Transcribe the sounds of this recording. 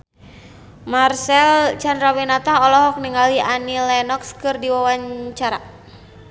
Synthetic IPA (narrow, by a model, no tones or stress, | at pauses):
marsɛlt͡ʃandɾawinat̪aɦɔlɔɦɔk̚niŋaliʔanilɛnɔkskɨrdiwawaɲt͡ʃaɾa